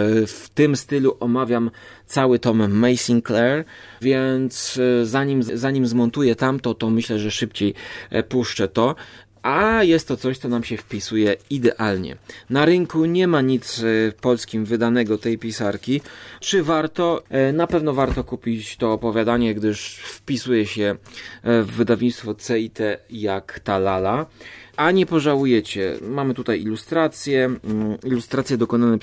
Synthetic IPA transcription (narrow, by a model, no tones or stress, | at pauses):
ft̪ɘmst̪ɘluʔɔmavʲjam | t̪sawɘt̪ɔmːɛjsʲiŋklɛɾ | vʲjɛnt̪szaɲimzzaɲimzmɔnt̪ujɛt̪amt̪ɔt̪ɔmɘɕlɛʐɛʂɘpt͡ɕejpuʂt͡ʂɛt̪ɔ | ʔajɛst̪ːɔt̪sɔɕt̪sɔnamɕɛfpʲisujɛid̪ɛʔalɲɛ̰naɾɘŋkuɲɛmaɲit̪spɔlskʲimvɘd̪anɛɡɔt̪ɛjpʲisaɾkʲit͡ʂɘvaɾt̪ɔnapɛvnɔvaɾt̪ɔkupʲit͡ɕt̪ɔːpɔvʲjad̪aɲɛɡd̪ɘʂfpʲisujɛɕɛ | vːɘd̪avɲit̪st̪fɔt̪sɛit̪ɛjakt̪alalaaɲɛpɔʐawujɛt͡ɕɛ̰mamɘt̪ut̪ajilust̪ɾat̪sʲjɛilust̪ɾat̪sʲjɛd̪ɔkɔnanɛ